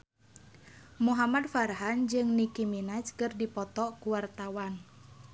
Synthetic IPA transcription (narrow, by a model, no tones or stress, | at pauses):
muɦamad̪faɾɦand͡ʒɨŋnikiminat͡ʃkərdipɔt̪ɔʔkuwart̪awan